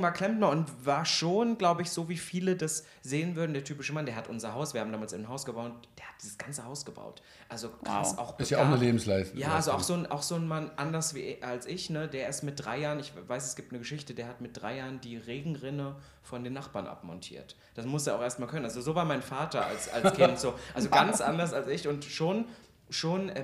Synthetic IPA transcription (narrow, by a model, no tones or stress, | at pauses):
maːkʰl̥ɛmtmaʊntvaːɐʃoːnɡlaʊbəɪçz̥oːviːfiːlədas | z̥eːənvʏɐdn̩deːɐtʰyːpɪʃəmandeːɐhatʔʊnzɐɦaʊsv̥iɐhabm̩daːmalsɪnɦaʊsɡ̥əbaʊd̥eːɐhat̚d̥iːzəsɡ̥ant͡səhaʊsɡ̥əba̰ʊt | ʔalzoka̰sʔa̰ʊxɪstjaʊnəleːbm̩slaɪstjaːʔalzoa̰ʊxz̥oːnʔa̰ʊxz̥oːnmanʔandɐsv̥ḭːʔalsʔɪçnədeːɐɪstmɪt̚d̥ʁaɪjaːʁənɪçvaɪsɛsɡ̥iːp̚tnəɡəʃɪçtədiːɐhatmɪt̚d̥ʁa̰ɪjaːʁəndiːʁeːɡŋ̩ʁɪnə | fɔndeːnːaχb̥aːɐnʔa̰pmɔ̰ntʰḭːɐt | d̥asmʊseːɐaʊxʔeːɐstmaːlkœnənalzozoːvaːɐmaɪnfaːtɐa̰lsa̰lkʰɪz̥oːʔalzoɡanst͡sʔa̰ndɐsalsʔɪçʊntʃoːn | ʃoːnɛ